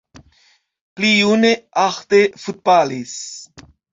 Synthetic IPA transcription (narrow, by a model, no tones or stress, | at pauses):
pliuneaχt̪efut̪̚bales